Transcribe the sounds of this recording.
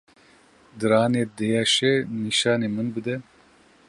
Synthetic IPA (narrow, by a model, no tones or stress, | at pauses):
d̪ɨɾɑːneːd̪ejaʃɛniʃɑːneːmɨnbɨd̪ɛ